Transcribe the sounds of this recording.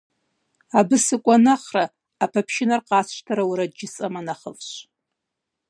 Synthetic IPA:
abɨsɨkʷʼanaχraː | pʰapʰʃɪnarqʼasʃtʰaɾawɾad͡ʒɪt͡sʼamanaχə̰vʃʷ

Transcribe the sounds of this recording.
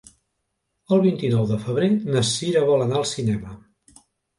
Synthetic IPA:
əlˠβint̪inɔwðəfəβ̞ɾenəsiɾəβɔlənaəlˠsinɛmə

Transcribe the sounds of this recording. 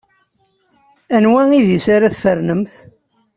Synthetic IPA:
ænwæŋiðisaɾaθfəɾnəmθ

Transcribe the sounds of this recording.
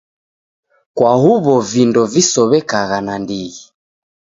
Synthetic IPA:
kwahuβɔvindɔvisɔβɛkaɣanandiɣi

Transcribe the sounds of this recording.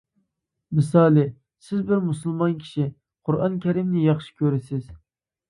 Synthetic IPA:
mɨsɑːlˠɪ | sɪzbɪɾmusɨlˠmɑnkʲʰi̥ʃi | qʰʊɾʔɑnkʲʰɛɾimnɪjɑχʃi̥kʲʰøɾɪsɪz̥

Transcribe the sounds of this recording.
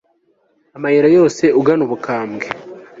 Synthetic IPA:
amajiɾajo̞ːse̞ʔuɡanuβukaːmɡe

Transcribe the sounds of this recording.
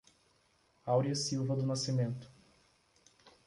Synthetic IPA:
awɾiɐsiwvɐd̪ʊnasimẽnt̪ʊ̥

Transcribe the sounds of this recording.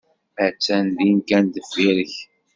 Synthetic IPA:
æt͡sːænd̪iŋkænd̪əfiɾəç

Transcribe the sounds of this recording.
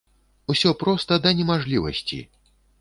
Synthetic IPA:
usʲɔpɾɔst̪ɐd̪ɐnʲɛmaʐlʲivɐ̰sʲt͡sʲḭ

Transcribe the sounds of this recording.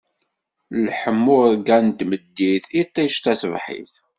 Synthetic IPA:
lħəmːʊɡænt̪məd̪ːiθit̪ˤːiʃt̪æθəvħḭθ

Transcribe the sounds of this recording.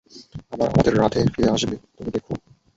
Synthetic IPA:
abaɾa̰mad̪eɾːat̪ʰefiɾeaʃbet̪omid̪ekʰo

